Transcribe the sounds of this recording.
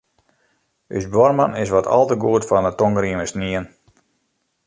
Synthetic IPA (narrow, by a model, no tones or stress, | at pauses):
y̰sbɔrmanɪs̬ʋɔtʰɔ̰lˠtəɡuətfɔndətoŋɡɾiəməsniən